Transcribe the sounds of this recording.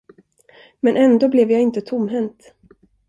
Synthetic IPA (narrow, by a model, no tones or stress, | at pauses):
mɛnʔɛnd̪oːblɛvjaːɪnt̪ət̪ʰʊmːɦɛnt̪